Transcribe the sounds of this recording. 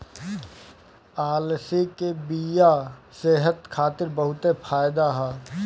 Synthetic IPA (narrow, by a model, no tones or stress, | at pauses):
aːlsikebijaseɦət̪kʰaːt̪ɪɾbəɦʊt̪epʰaːjd̪aɦɛː